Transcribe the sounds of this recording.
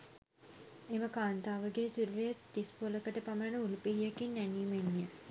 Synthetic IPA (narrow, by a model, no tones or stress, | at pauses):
eʋəkaːnt̪aːʋəɡeːsuɾʋejət̪ːispoləkəʈəpamənəulupiɦijəkinːæniːmiɲːə